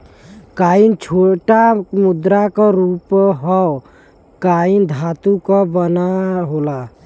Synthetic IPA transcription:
kaint͡ʃʰoʈamud̪ɾakəɾupɦɔ | kaind̪ʱat̪ukɔbənaɦola

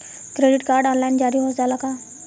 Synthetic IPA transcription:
kɾeɖiʈkaɾɖɔnlaind͡ʑaɾiːɦot̪d͡zalaka

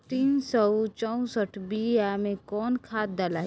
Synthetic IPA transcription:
t̪iːnsɔwt͡ʃɔũsəʈʰbijamẽkɔːnkʰaːt̪̚d̪alaː

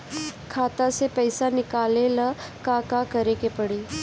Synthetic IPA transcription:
kʰat̪asepəjsanikaleləkakakəɾekepəɽiː

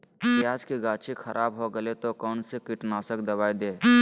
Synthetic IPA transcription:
bjaːd͡ʒkiɡaːt͡ʃʰikʰɐɾʔaːbɦoɡɐlet̪okɔːnsekɪʈnaːsəkd̪ɐbaːid̪eː

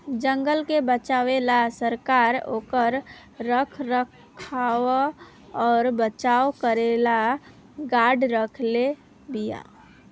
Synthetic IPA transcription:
d͡ʒəŋɡəlkebət͡ʃawelasəɾkaɾo̰kəɾː | əkʰɾək | kʰawa | ɔːɾbət͡ʃawkəɾela | ɡaɖɾəkʰle | bija̰

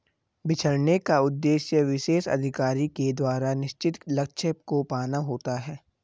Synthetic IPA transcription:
bɪt͡ʃʰəɾnekaʊd̪ːeːʃjəʋɪʃeːʃɐ̰d̪ʱɪkaːɾiked̪waːɾanɪʃt͡ʃɪt̪lɐkt͡ʃʰəpkopaːnaɦoːt̪aɦɛː

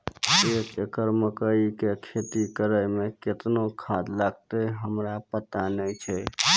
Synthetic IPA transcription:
et͡ʃəkəɾməkəikekʰet̪ikəɾəjmẽkɪt̪nokʰad̪laɡ̚t̪eɦəmɾapət̪anət͡ʃʰɛ

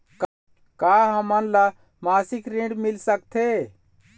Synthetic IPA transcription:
k | kaɦəmənla | masikɾĩɖmilsək̚t̪ʰe

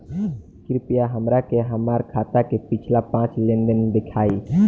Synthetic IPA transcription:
kɾipijaɦəmɾakeɦəmaɾkʰat̪akepit͡ʃʰlapãːt͡ʃlẽnɖ̪ənd̪ɪkʰaːi

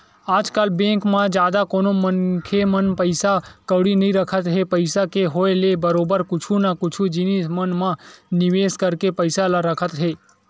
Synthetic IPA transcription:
ad͡ʒkalbɛ̃ŋkmãd͡ʒad̪akonomənkʰemənpəjsakəʋɽinəɦĩɾəkʰət̪ɦepəjsakeɦoelebəɾobəɾkʊt͡ʃʰunakʊt͡ʃʰud͡ʒinismənmãnɪʋeskəɾkepəjsalaɾəkʰət̪ɦe

